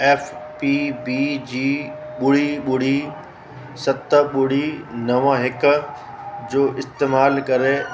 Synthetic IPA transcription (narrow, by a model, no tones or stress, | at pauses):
ɛːfpiːbiːd͡ʑiː | ɓʊɽiɓʊɽ̤i | sɐt̪əɓʊɽ̤inɐʋãɦɪkʊ | d͡ʑoːʔɪst̪eːmaːlkɐɾe